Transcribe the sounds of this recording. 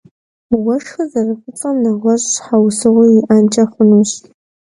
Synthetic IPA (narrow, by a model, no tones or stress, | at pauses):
wɐʂxɐzɐrɨpʷʊt͡sʼɐmnɐʁʷɔɕħawsɨʁʷʊiʔaːnt͡ʃʼɐχʷʊnuɕ